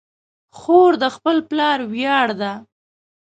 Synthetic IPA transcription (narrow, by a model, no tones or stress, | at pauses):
xoɾd̪əxpəlplɑɾwjɑɽd̪a